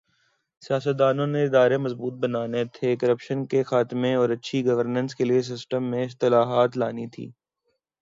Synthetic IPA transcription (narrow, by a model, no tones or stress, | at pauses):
sijaːsət̪̚d̪aːnõneɪd̪aːɾemɐzbuːt̪̚bɐnaːnet̪ʰekɐɾəpʃənkexaːt̪ɪmẽɔːɾɐtːʃʰiɡɐʋəɾnə̃nskelies̬ɪsʈəmːẽɪst̪ɪlaːɦaːt̪laːnit̪ʰḭː